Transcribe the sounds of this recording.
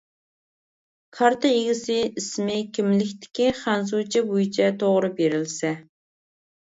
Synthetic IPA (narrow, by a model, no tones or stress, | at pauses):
kʰɑɾt̪ʰaeɡʲisɪismɪkʲʰimlɪkʲt̪ʰɪ̥kʲiχænzut͡ʃʰɑbujt͡ʃʰɛt̪ʰoʁɾɨbeɾɪlsɛ